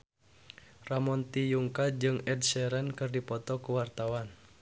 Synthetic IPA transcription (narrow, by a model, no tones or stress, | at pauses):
ramɔnt̪ijuŋkad͡ʒɨŋɛd̚sɛɾɛnkɨrdipɔt̪ɔkuwart̪awan